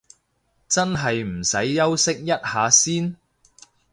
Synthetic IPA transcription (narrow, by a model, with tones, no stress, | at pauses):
t͡sɐ˥nɦɐ˨jm̩˨˩sɐ˨˥jːɐ˥wsɪ˥k̚jɐ˥t̚haː˨˧siː˥n